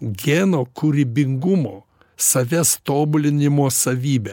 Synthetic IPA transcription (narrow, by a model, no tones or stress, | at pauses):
ɡʲeːnoːkʊɾʲɪbʲɪŋɡʊmoː | sɐʋʲɛst̪oːbʊlʲɪnʲɪmoːsɐʋʲiːbʲɛ